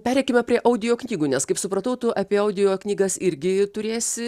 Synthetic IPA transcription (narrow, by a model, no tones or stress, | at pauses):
pʲæːɾʲɛɪkʲɪmʲɛpʲɾʲiɛʔɐʊd̪ʲɪjoːknʲiːɡuːnʲɛskɐɪpsʊpɾɐt̪ɐʊt̪ʊʔɐpʲiɛɐʊd̪ʲɪjoːknʲiːɡɐsɪɾʲɡʲɪt̪ʊɾʲeːsʲɪ